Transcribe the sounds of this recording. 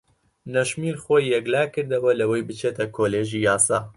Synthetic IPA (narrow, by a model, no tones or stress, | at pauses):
nɐʃmiːlxoːjːɛɡlaːkɨɾd̪ɐwɐlɐwɐjbɨt͡ʃʰeːt̪ʰɐkʰoːleːʒijaːsaː